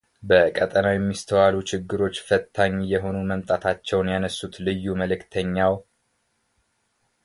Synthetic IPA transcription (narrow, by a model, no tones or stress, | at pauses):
bəkʼət̪ʼənawjɛmːist̪ʰəwalut͡ʃʰɪɡːɨɾo̞t͡ʃːfət̪ʰːaɲːjɛɦo̞numəmt̪ʼat̪ʰat͡ʃːɛwnjanəsːut̪lɨjːuməlɨkt̪ʰəɲːaw